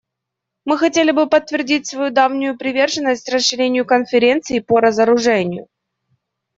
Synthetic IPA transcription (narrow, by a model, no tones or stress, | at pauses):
mɨxɐtʲelʲɪbɨpət̪ːvʲɪrdʲitʲsvɐjud̪avnʲʊjʊpɾʲɪvʲerʐɨnːəsʲtʲrəsʂːɨɾʲenʲɪjʊkənfʲɪɾʲe̞nt̪sɨɪpəɾəzəɾʊʐɛnʲɪjʊ̰